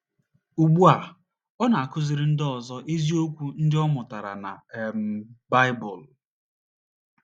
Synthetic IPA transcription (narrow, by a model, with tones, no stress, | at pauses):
u˨ɡ͡bu˦a˨ | ɔ˦na˨a˨kʊ˦zɪ˨ɾɪ˦n̩˦dɔ˨zɔ˦ʔe˦zi˦o˦kʷu˦n̩˦dɪ˦ɔ˦mʊ˨ta˨ɾa̰˨na̰˨m̩˦˨˦ba˦ɪ˦bʊ˨l